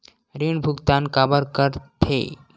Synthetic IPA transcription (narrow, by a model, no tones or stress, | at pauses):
ɾiɳbʱuɡt̪ankabəɾkəɾt̪ʰḛ